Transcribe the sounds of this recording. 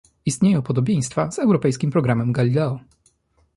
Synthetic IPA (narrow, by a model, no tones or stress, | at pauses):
ist̪ɲejɔ̃pɔd̪ɔbʲjej̃st̪faz̥ɛwɾɔpɛjskʲimpɾɔɡɾamɛmɡalʲilɛɔ